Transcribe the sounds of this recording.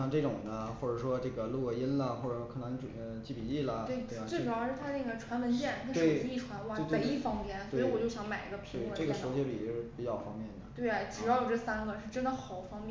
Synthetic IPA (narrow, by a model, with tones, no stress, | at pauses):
ɑ˥˧ʈ͡ʂɤ˥˩ʈ͡ʂʊ˨˩ŋd̪ə˦xwɔ˥˩ʈ͡ʂɤ˨˩ʂwɔ˥ʈ͡ʂɤ˥˩ɡə˩lu˥˧˩i˥nlə˨xwɔ˥˩ə˨˩wɔ˥kʰɤ˥˩na˧˥ŋ˥˩ə˧t͡ɕi˥˩pi˨˩li˥˩lə˩t̪we˥˩ɪ˥˧˥t͡swe˥˩˥ʈ͡ʂ̩˨˩˥ʂɻ̩˥˩t̪ʰa˥ne˥˩ɡə˩ʈ͡ʂʰwa˧˥nwə˧˥nt͡ɕjɛ˥˩nna˥˧w̩˥e˧˩˨i˥˩ʈ͡ʂʰwa˧˥nwa˥˧e˧˩ɪli˥˩fɑ˥ŋpjɛ˥nswe˥i˧˥˧wɔ˨˩t͡ɕjo˥˩ʊɕjɑ˧˥ŋma˨˩ɪi˧˥ɡə˧pʰi˧e˥˩wə˧ʈ͡ʂɤ˥˩ɡə˩ʂo˧˥ʊt͡ɕɛ˥i˨˩˧ʂ̩˥˩pi˨˩t͡ɕjɑ˥˩ʊfɑ˥ŋmjɛ˥˩nd̪ə˩t̪we˥˩ɪ˩t͡ɕɻ̩˧˥˩jo˨˩ʈ͡ʂɤ˥˩sa˥nɡə˨ʂɻ̩˥˧ʈ͡ʂə˥nd̪ə˨xɑ˨˩˦ʊfɑ˥ŋmjɛ˥˩